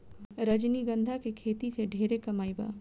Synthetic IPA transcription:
ɾəd͡ʒniɡə̃nd̪ʱakekʰeːt̪iseɖʱeːɾekɐmaːiba̰ː

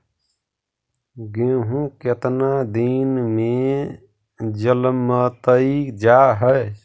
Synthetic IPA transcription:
ɡẽːɦũket̪nad̪inmẽ | d͡ʒəlmːət̪əid͡ʒaːɦəe

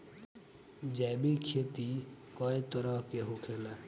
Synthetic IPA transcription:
d͡ʒɛːbikʰeːt̪i | kɔet̪ɔɾɔɦkeɦokʰela

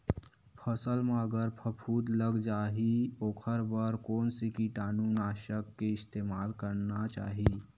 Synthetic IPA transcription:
pʰəsəlmaːɡəɾpʰəpʰuːd̪ləɡd͡ʒaːɦioːkʰəɾbəɾkoːnsikiʈaːnuːnaːʃəkːeɪst̪eːmaːlkəɾnat͡ʃa̰ːɦiː

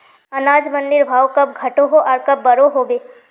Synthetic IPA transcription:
ɐnaːd͡ʒmɐ̃nd̪ɪɾbʱaːwkɐb̚ɡʱɐʈoɦoʔɔːɾkɐbːɐɾoɦobeː

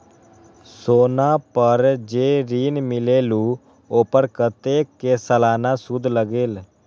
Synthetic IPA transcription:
soːnaːpəɾd͡ʒeːɾiːnmɪleːluː | oːpəɾkət̪eːkeːsəlaːnaːsʊd̪ʱləɡeːl

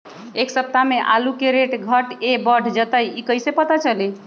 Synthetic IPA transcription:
eksəp̚t̪ameʔalukeɾeʈɡʱəʈebəɖʱd͡ʒət̪əjikəjsepət̪at͡ʃəli

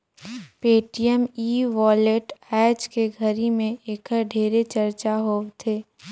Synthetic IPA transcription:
peːʈijəmiːʋɔːleʈɛːd͡ʒkeɡʱəɾimẽeːkəɖʱeːɾet͡ʃɐɾt͡ʃaɦoːt̪ʰeː

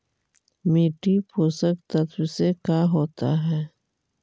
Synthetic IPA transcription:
miːʈipʰoːsək̚t̪ət̪ʰwsekaɦoːt̪a̰ɦɛː

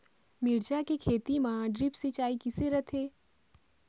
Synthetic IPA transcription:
mɪɽd͡ʒakekʰeːt̪imaãɖɾɪpsit͡ʃaːikɪseɾɐt̪ʰeː

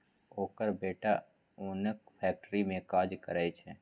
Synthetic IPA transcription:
oːkəɾbeːʈa | oːnək̚pʰɛːk̚ʈɾimẽkaːd͡ʒkəɾaːit͡ʃʰɛː

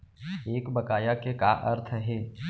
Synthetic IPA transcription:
eːkbɐkaːjakeka̰ːʔɐ̰ɾt̪ʰɦɛː

